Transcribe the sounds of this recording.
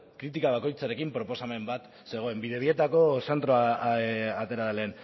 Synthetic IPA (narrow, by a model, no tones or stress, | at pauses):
kɾit̪ikaβ̞ako̞jt͡saɾe̞kimpɾo̞po̞same̞mbat̪ | se̞ɣ̞o̞e̞mbiðe̞βie̞t̪ako̞se̞nt̪ɾo | at̪e̞ɾaðeleːn